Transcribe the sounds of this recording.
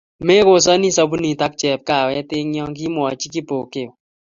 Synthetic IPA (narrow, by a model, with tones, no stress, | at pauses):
me˦ko˨sɔ˦ni˦sɔ˦bu˦ni˨ta˦k̚t͡ʃɛ˨p̚ka˨wɛ˦te˦ŋɲjɔ˦ŋki˦mwɔ˨t͡ʃi˦ki˦po˨ke˨